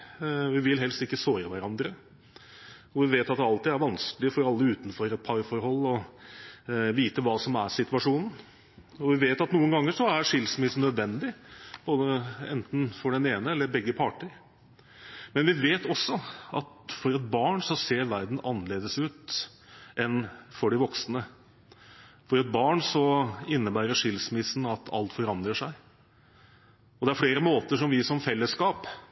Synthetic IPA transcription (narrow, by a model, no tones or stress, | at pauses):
ʋɪʋɪlɦɛlst̪ɪkːəsoːɾəʋæɾɑnd̪ɾə | ɔʋɪʋeːt̪ɑt̪̚d̪ɛɑlt̪ɪːæɾʋɑnsklɪəfɔɾɑlːəʉːt̪n̩fɔɾɛt̪̚pʰɑɾfɔɾɦɔlːɔ | ʋiːt̪əʋɑːsɔmæ̰sɪt̪ʉʋɑʂuːnn̩ | ɔʋɪʋeːt̪ɑt̪nuːənɡɑŋːəʂɔæʂɪlsmɪsnœd̪ʋɛnd̪ɪb̥oːd̪əɛ̰nt̪nfɔɖɛneːnəɛlːəɾbɛɡːəpʰɑːʈəɾ | mɛnʋɪʋeːt̪ɔsːɔɑ̰t̪fɔɾɛt̪bɑːɳsɔseːɾʋæɾd̪n̩ʔɑnːəleːd̪əsʉːt̪ | ʔɛnfɔɖɪʋɔksnə | fɔɾɛt̪̚bɑːɳsɔɪnːəbæːɾəʂɪlsmɪsn̩ɑt̪ʰɑ̰lt̪fɔɾɑnd̪ɾəʂæɪ | ɔd̪ɛæɾfɽeːɾəmoːt̪əʂɔmʋɪʂɔmfɛlːəskɑːp